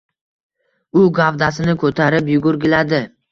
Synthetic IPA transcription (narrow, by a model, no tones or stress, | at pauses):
ʊɡavd̪asɪnɪkʰot̪ʰaɾɪpjʊɡʊɾɡʲɪlad̪ɪ